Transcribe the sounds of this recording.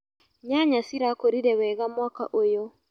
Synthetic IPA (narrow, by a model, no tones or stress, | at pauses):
ɲaɲasiɾakoɾiɾɛwɛɣamwaka̰ʔojo